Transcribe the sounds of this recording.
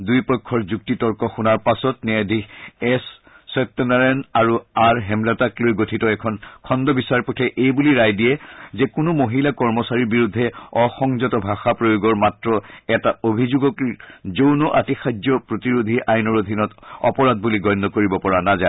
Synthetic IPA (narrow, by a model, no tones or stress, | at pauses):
dujpɔjkʰːɔɹzuk̚titɔɹkɔxunaɹpasɔtnɛadʱiɛsː | ɔtːɔnaɹɛnaɹuaɹɦɛmlataklojɡotʰitɔɛkʰɔnkʰɔndɔbisaɹpɔtʰɛʔejbuliɹajdijɛzɛkʊnʊmoɦilakɔɹmɔsaɹiɹbiɹudʱːɛɔxɔŋzɔtɔbʱaxapɹojoɡɔɹmatɹɔɛtaobʱizuɡɔkizownɔʔatixad͡ʒɔpɹotiɹud̪ʱiʔajnɔɹod̪ʱinɔtɔ̰pɔɹad̚buliɡɔjnːɔkoɹibɔpɔɹanaza